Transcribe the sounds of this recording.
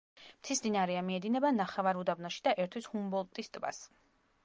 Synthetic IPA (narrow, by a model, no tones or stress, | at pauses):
mt̪ʰismd̪inaɾɛamiɛd̪inɛbanaχɛvaɾud̪abnɔʃi̥d̪aʔɛɾt̪ʰwishumbɔlˠt̪ʼist̪ʼba̰s